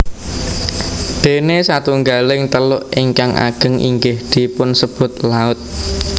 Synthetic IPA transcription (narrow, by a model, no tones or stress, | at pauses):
d̪̥e̤nesat̪uŋɡalɪŋt̪əlʊʔɪŋkaŋʔa̰ɡ̥ə̤ŋʔḭŋɡɪhd̪̥i̤pʊnsəb̥ʊ̤t̪̚laʊt̪̚